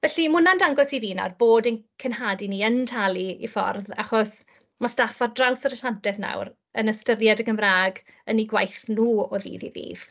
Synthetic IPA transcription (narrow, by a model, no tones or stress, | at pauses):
vɛɬimʊnandaŋɡɔsiðiːna̰rboːdənkʰɪnɦadiniːəntʰalˠiḭfɔ̰rðaχɔs | mastafardrawsəɾəɬandɛðna̰wr | ənəstərjadəɡəmraːɡ | əniɡwajθnuːɔðḭːðḭðḭːv̥